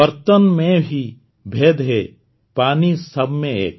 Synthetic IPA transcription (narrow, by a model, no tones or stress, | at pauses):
əɾt̪ənmẽbʱi | bʱeːd̪ɦe | paːnisɐbʱmẽḛːk